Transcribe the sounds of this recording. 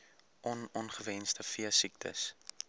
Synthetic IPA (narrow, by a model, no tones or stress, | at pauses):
ʔɔnɔnχəvɛnstəfiəsik̚tʰə̰s